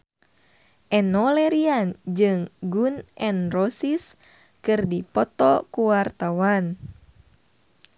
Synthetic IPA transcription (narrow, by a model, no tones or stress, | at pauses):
ʔɛnɔlɛɾiand͡ʒɨŋɡunʔɛnrɔsis | kɨrdipɔt̪ɔkuwart̪awan